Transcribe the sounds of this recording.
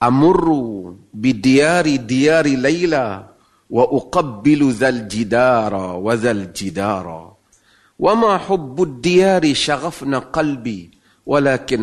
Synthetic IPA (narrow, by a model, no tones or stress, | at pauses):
ʔamʊrːbɪd̪ɪjaːɾd̪ɪjaːɾlajla | waʔʊqabːɪlðaːld͡ʒɪd̪ɑːɾˤɑwaðald͡ʒɪd̪ɑːɾˤɑ̰ | wʔamaħʊbːʊd̪ːɪjaːɾiʃaɣafnaqɑlbiː | wʔalaːkɪn